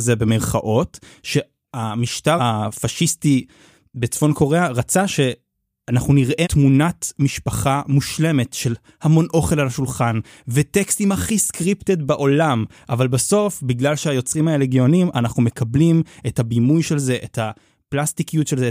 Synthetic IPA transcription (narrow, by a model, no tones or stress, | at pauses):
zebe̞meʁχaʔo̞tʃe̞ | amiʃtafaʃisti | bet͡sfo̞nko̞ʁeaʁat͡saʃe̞ | anaχnuniʁʔetmunatmiʃpaχamuʃle̞me̞tʃe̞l | hamo̞nʔo̞χe̞lalaʃulχan | vetekst̪imaχiskʁiptedbeʔo̞lam | ʔavalbaso̞fbiɡlalʃeajo̞t͡sʁimaeleɡjo̞nimʔanaχnume̞kʰablimethabimujʃe̞lze̞ʔeta | plastikijutʃelze